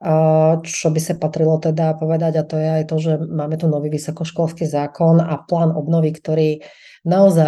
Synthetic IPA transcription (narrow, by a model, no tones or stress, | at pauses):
t͡ʃɔbisapat̪ɾilɔt̪ɛd̪apɔʋɛd̪aɟat̪ɔjɛajt̪ɔʒɛmaːmɛt̪unɔʋiːʋisɔkɔʃkʊɔlskiːzaːkɔnaplaːnɔbnɔʋikt̪ɔɾiː | naɔza